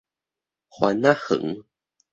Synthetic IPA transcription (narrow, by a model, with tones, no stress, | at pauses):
xwa̰˧˦na˦˥hɨ̰˨˩˦ŋ